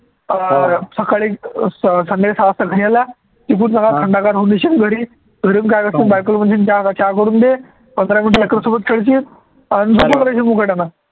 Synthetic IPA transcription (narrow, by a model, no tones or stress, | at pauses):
səkaɭiː | sənesast̪əɡʱəɽjala | t̪ik̬unsakat̪ʰəɳɖakaɾɦoniɕinɡʱəɾiː | ɡʱəɾinkajkəsinbaɭkəlmənɕint͡ɕat͡ɕakəɾuːnd̪e | pənd̪ɾaminʈɾlekɾəsubət̪̚kʰeɭt͡ɕiː | ansupəd̪ɾaɕimukəʈana